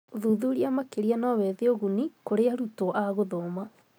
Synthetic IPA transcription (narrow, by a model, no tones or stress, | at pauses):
ðuðuɾiamakeɾianɔwɛðeoɣunikoɾeaɾutoʔaɣoðoːma